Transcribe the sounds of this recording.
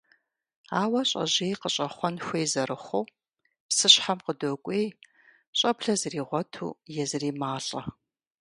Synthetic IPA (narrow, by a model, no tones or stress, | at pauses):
aːwɐɕʼɐ̰ʑeːjqəɕʼɐχʷɔnxʷeːjzɐrɨχʷow | psɨɕħamqədoːkʷʼeːj | ɕʼɐpɬɐzɨriːʁʷɔtʰṵːjɛzɨriːmaːɬʼɐ